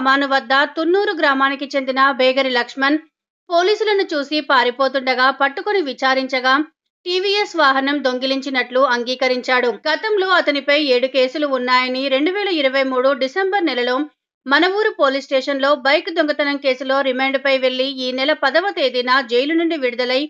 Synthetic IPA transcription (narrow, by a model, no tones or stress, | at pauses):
maːnuʋɐd̪ːɐt̪unːuːɾuɡɾaːmaːnikit͡ʃe̞nd̪inɐbʱɛːɡɐɾilɐkʂmɐn | po̞ːliːsulɐnut͡ʃuːsipaːɾipo̞ːt̪̬uɳɖɐɡaːpɐʈːukoniʋit͡ʃaːɾiɲt͡ʃɐɡaː | ʈiːʋiesʋaːɦɐnɐmd̪o̞ŋɡiliɲt͡ʃinɐʈluɐŋɡiːkɐɾiɲt͡ʃaːɽuɡɐt̪ɐmlo̞ːɐt̪ɐnipɐje̞ːɽuke̞ːsuluːnːaːjɐniɾe̞ɳɖuʋɛːlɐiɾɐʋɐjmuːɽuɖisembɐɾnɛlɐlo̞ː | mɐnɐʋuːɾupoːlisʈɛːʂɐnlo̞ːbɐjkd̪oŋɡɐt̪ɐnɐmke̞ːsulo̞ːɾimeːɳɖpɐjʋe̞ɭːiiːnɛlɐpɐd̪ɐʋɐt̪e̞ːd̪inad͡ʒejlunuɳɖiʋiɽud̪ɐlɐj